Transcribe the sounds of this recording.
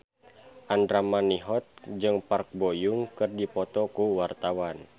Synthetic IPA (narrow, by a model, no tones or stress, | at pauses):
ʔandɾamaniɦɔt̪̚d͡ʒɨŋpark̚bojuŋkɨrdipɔt̪ɔkuwart̪awan